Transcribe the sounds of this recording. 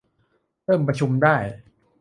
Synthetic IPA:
ɾɤː˥˩mpɾa˧t͡ɕʰu˧mdaː˥˩j

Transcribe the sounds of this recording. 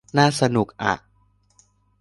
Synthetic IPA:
naː˥˩sa˧nu˨˩k̚ʔa̰˨˩ʔ

